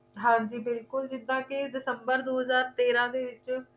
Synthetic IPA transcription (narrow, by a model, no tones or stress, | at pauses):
ɦãːɲd͡ʒiːbɪlkʊld͡ʒɪd̪ãːkɪd̪ɪsəmbəɾd̪oːɦəzaːɾt̪eːɾãːd̪eːʋɪt͡ʃ